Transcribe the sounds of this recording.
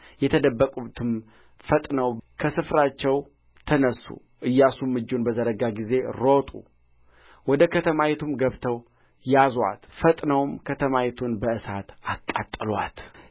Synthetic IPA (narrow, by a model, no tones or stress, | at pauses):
jɛt̪ʰəd̪əbːəkʼut̪ʰɨm | fət̪ʼnəwkʰəsɨfɾat͡ʃːɛw | t̪ʰənəsːṵ | ʔɨjːasumːɨd͡ʒːunbəzəɾəɡaɡize̞ɾo̞t̪ʼṵ | wɔd̪əkʰət̪ʰəmajɛt̪ʰumɡəβt̪ʰəw | jaza̰t̪fət̪ʼnəwmkʰət̪ʰəmajɛt̪ʰunbəʔɨsat̪akʼːat̪ʼːɨlwa̰t̪